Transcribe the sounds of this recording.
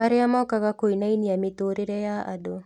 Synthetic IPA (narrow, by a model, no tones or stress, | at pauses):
aɾeamɔːkaɣakoinainiametoːɾeɾɛjaʔa̰do